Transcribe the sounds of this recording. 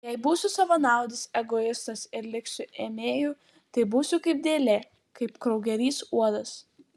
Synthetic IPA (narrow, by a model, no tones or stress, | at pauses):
jɛɪbuːsʲʊsɐʋɐnɑˑʊd̪ʲɪsɛɡoɪst̪ɐsɪɾlʲɪksʲʊʔeːmʲeːjuː | t̪ɐɪbuːsʲʊkɐɪp̚d̪ʲeːlʲeː | kɐɪpkɾɐʊɡʲɛɾʲiːsuɔd̪ɐs